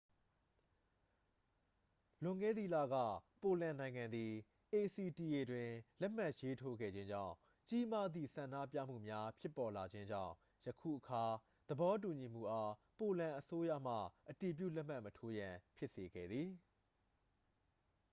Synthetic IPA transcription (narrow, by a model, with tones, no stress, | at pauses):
lʊ̃˨ŋɡɛ̰˦˨d̪ði˦˨la̰˦˨ɡä̰˦˨po˨lã˨nã˨ɪ̃ŋã˨nd̪i˨ | ʔe˨si˨ti˨ʔe˨dwɪ̃˨lɛ˦m̥a˦ʔje˦tʰo˦ɡɛ̰˦˨d͡ʑɪ̃˦ɲd͡ʑã̰˦˨ʊ̃ | t͡ɕi˦ma˦d̪ðḭ˦˨sã˨ndä̰˦˨pjä̰˦˨m̥ṵ˦˨mja˦pʰjɪ˦pːɔ˨la˨d͡ʑɪ̃˦ɲd͡ʑã̰˦˨ʊ̃ | jəkʰṵ˦˨ʔəkʰa˨ | d̪̥əbɔ˦t̬u˨ɲi˨m̥ṵ˦˨ʔa˦ | po˨lã˨ʔəso˦jä̰˦˨m̥ä̰˦˨ʔəti˨p̬jṵ˦˨lɛ˦ʔm̥a˦ʔmətʰo˦jã˨pʰjɪ˦ʔse˨ɡɛ̰˦˨d̪ði˨